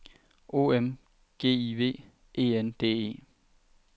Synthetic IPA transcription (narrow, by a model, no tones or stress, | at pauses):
ʔo̝̰ːem | ɡ̥e̝̰ːiʋe̝̰ː | ʔe̝̰ːend̥e̝̰ːe̝̰ː